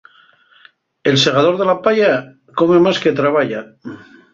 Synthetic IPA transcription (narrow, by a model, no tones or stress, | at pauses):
elseɣaðo̞ɾðe̞lapaʎa | ko̞me̞masket̪ɾaβaʎa